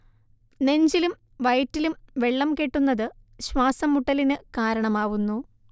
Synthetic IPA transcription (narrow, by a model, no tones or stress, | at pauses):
ne̞ɲd͡ʑilum | ʋɐjtːilumʋe̞ɭːɐmkeʈːunːɐðɨɕwaːsɐmːuʈːɐlinɨkaːɾɐɳɐmaːʋunːu